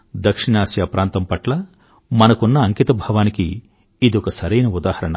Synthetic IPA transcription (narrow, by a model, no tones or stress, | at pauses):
d̪ɐkʂiɳaːsjɐpɾʔaːnt̪ɐmpɐʈlɐ | mɐnɐkunːɐːŋkit̪ɐbʱɐːʋaːniki | id̪iɔkɐsɐɾɐjnɐud̪aːhɐɾɐɳɐ̰